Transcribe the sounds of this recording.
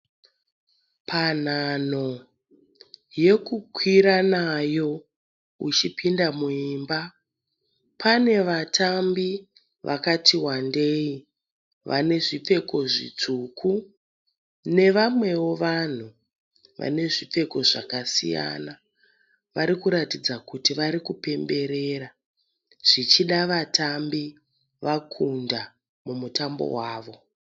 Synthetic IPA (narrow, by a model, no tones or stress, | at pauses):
pʰan̤an̤o̞ | je̞kukʰwiɾanajo̞ | ut͡ʃipindamuiːmba | pʰane̞ʋatʰambi | ʋʔa̰katiwande̞i | ʋa̰ne̞ʐip͡fe̞ko̞ʐḭt͡ʂukʰu | ne̞ʋamwe̞wo̞ʋan̤u | ʋa̰ne̞ʐip͡fe̞ko̞ʐakasḭja̰na | ʋaɾikuɾatid͡zakutiʋaɾikupe̞mbe̞ɾeːɾa | ʐ̥it͡ʃiɗaʋatʰambi | ʋakʰunda | mumutambo̞̰waːʋo̞